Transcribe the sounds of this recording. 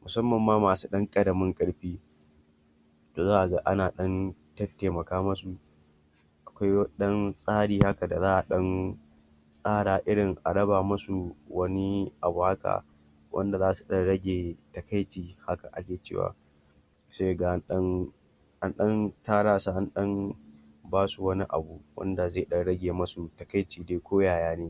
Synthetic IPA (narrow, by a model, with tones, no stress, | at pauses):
mʊ˨sɐ˦mːɐ˨mːaː˦maː˨su̥˦ɗɐ˦ŋkʼɐ˨dɐ˨mɪ˦ŋkʼɐ˦ɽɸiː˦ | toː˨zaː˦ʔa˨ɡa˦ʔa˦naː˨ɗɐ˦ntɐ˦tːeː˨mɐ˨kaː˦mɐ˦su˨ʔ | ʔa˨kʷa˦jwɐ˦ɗɐ˦nsʼaː˦ɽiː˨ha˦ka˨da˨zaː˦ʔa˨ɗɐ˦n | sʼaː˦ɽaː˨ʔɪ˦ɽɪ˨ŋʔa˨ɽɐ˦baː˨mɐ˦su˨wɐ˦ni˦ʔa˨bu˨ha˦ka̰˨ | wʔɐ̰˦nda˨zaː˦su˨ɗɐ˦nɽɐ˦ɡʲeː˨tɐ˨ka˦jt͡ʃiː˨ha˦ka̰˨ʔa̰˦kʲeː˨t͡ʃḛː˦˨wa̰ː˨ | se˦˨ɡa˨˦nɗɐ˦n | ha˦nɗɐ˦ntaː˦ɽaː˦sa˨ha˦nɗɐ˦n | baː˦su˨wɐ˦ni˦ʔa̰˨bu˨wɐ̰˦nda˨zae˦˨ɗɐ˦nɽɐ˦ɡʲeː˨mɐ˦su˨tɐ˨ka˦jt͡ʃiː˨deː˦kʷoː˦jaː˨jaː˦neː˦